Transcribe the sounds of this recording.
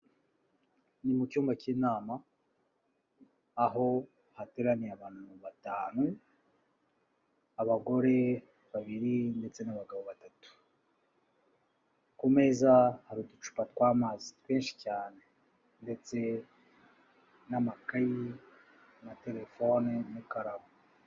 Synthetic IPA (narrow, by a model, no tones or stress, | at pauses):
nimucuːmbaciːnaːma | ɦo̞ | hate̞ɾanijaβaːn̥huuβataːnu | aβaɡo̞ɾe̞ | βaβiɾinde̞t͡se̞naβaɡaβo̞βatatu̥ | kume̞ːzahaɾudut͡ʃu̥patkwaːmaːzitweːnʃi̥caːne̞ | nde̞t͡se̞ | namakaji | nate̞ɾe̞fo̞nenikaɾaβo